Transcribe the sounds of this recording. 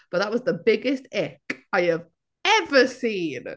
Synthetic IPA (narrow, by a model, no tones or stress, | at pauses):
b̥ʌtʔ̪̚ðəʔ̚wɒzðəbɪɡɪstɛkaɪəv | ɛvəsĩːn